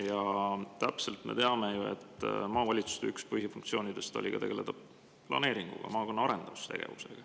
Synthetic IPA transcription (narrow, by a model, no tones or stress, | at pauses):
jɑt̪æpse̞lt̪me̞̰t̪e̞ɑme̞jue̞̰t̪ːˑmɑːvɑlʲit̪su̥st̪eykspɯhjɑfuŋk̚t̪sio̞ːnid̪̥e̞st̪olʲikɑt̪e̞ɡele̞t̪ːɑb | plɑ̰ne̞ːɾiŋɡ̥ṵɡ̥ɑ̰mɑːko̞nːɑɑɾe̞nd̪̥ɑvust̪e̞ɡ̥ḛvuse̞̰ɡ̥ɑ